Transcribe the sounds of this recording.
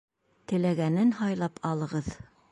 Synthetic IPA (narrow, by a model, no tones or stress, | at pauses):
t̪ɘ̆læɡænɘnhɑjlˠɑpɑlˠɤ̆ʁɤð